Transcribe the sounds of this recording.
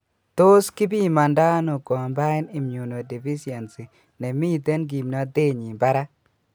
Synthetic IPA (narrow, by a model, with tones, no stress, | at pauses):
t̪o˦ski˦bi˦ma˨nda˦no˨kɔ˨mba˦ɪ˦nɪ˨mɲu˨no˨di˨fi˦si˨e˨nsi˨ | nɛ˨mi˦˨t̪e˦nɡ̬i˨mna˨d̪e˦ɲi˨mba˦ɾa˦